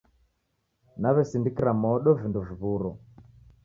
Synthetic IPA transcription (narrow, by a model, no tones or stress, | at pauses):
naβɛsindikiɾamɔɗɔvinduviβuɾɔ